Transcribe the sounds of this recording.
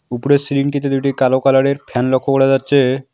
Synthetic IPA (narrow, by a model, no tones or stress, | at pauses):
upoɾesiliŋʈit̪ed̪uʈikalokalaɽeɾpʰɛnlokʰːokoɾed͡ʑatːɕʰe